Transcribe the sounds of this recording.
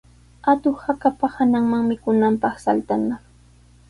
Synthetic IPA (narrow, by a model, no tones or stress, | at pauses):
at̪ʊhakapahanaŋmaŋmɪkʊnampɑχsalt̪ana